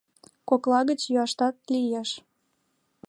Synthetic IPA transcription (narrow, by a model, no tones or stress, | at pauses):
koklɑɣət͡ɕjyɑʃt̪ɑt̪̚lijeʃ